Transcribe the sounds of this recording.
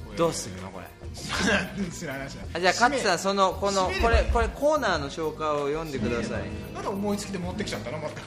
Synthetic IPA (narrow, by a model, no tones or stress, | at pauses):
d̪̥o̞ːsɨno̰ko̞̰ɾḛ | anat̪ːend̪eshanaɕiad͡ʑaːkatsãso̞no̞ko̞noko̞ɾe̞ko̞ɾe̞ko̞ːnaːno̞ɕo̞ːkaiojõ̞nd̪e̞kɯ̟d̪asa̰ḭnad̪aomo̞it͡sɨ̥kʲid̪emot̪ːekʲi̥ãnd̪anomat̪ːa